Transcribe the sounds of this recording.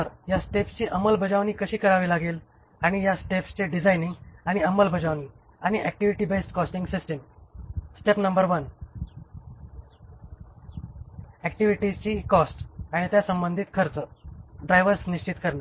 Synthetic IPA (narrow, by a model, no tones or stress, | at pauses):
əɾjasʈepst͡ɕiːʔəməlbʱəd͡zaʋniːkəɕiːkəɾaʋiːlaɡel | aɽ̃ijasʈepst͡ɕeɖid͡zajniŋɡaɽ̃iəməlbʱəd͡zaʋni | aɽ̃iʔɛk̚ʈiʋiʈiːbesʈkɔsʈiŋɡsisʈem | sʈepnəmbəɾʋən | ækʈiʋiʈit͡ɕiːkɔsʈaɽ̃it̪jasəmbənd̪ʱiːt̪kʰəɾt͡səɖɾajʋəɾsniɕt͡ɕit̪kəɾna